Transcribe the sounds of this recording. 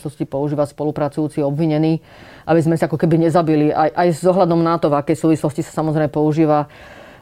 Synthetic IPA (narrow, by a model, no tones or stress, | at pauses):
lɔscipɔuʒiːʋaspɔlupɾat͡sujuːt͡siɔbʋiɲɛniː | ʔabizmɛsiakɔkɛbiɲɛzabiliʔajʔajzɔɦʎad̪ɔmnat̪ɔvakɛjsuːʋislɔscisḁsamɔzɾɛɪmɛpɔuʒiːʋa